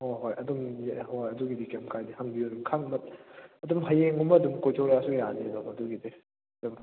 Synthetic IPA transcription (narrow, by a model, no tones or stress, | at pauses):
hoɦojɐdumjhojɐduɡidikemkʰajdihaŋbidumkʰaŋmɐt̚ɐdumɦajeŋumɐdumkojtʰɔwɾaɐsuɡijaninɔɐduɡidi | ɐdum